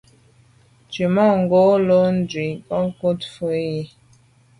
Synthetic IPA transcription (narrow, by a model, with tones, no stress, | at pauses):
t͡ʃi˨mɔ˦˨ŋ˨ɡo˦lo˦n̩˦d͡ʒwi˨kɔ˦ŋ˦ko˦tfu˦e˦ji˦